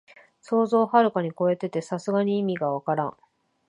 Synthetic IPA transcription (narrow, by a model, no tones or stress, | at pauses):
so̞ːzo̞ːhaɾɯ̟kaɲ̟iko̞e̞t̪e̞t̪e̞sasɨɡaɲ̟iːmʲiɡaβakaɾã̰ɴ̃